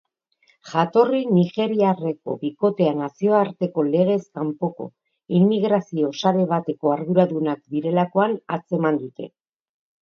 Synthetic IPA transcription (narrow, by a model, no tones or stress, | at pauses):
ʝat̪o̞riniʝe̞ɾiare̞ko̞̰βiko̞t̪e̞anasio̞aɾt̪e̞ko̞le̞ɣ̞e̞skampo̞ko̞̰ | imːiɣɾasio̞saɾe̞β̞at̪e̞ko̞aɾðuɾaðunakd̪iɾe̞lako̞ana̰t͡se̞mand̪ut̪e̞̰